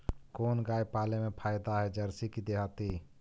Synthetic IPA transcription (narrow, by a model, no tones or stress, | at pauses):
koːnɡaːjpaːlemẽpʰaːjd̪aɦɛd͡ʒəɾsikid̪eɦaːt̪iː